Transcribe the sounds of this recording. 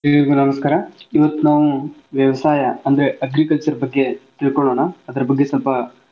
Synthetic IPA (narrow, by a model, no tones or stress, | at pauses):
ɦeɡɐɾɡunɐmɐskaːɾɐiʋɐt̪ːunaːʋuʋjɐʋɐsaːjɐɐnd̪ɐɾe̞ʔɐɡɾikɐlt͡ʃɐɾɐbɐɡːe̞t̪iɭkoɭoːnaɐd̪ɐɾɐbɐɡːe̞sɔlpɐ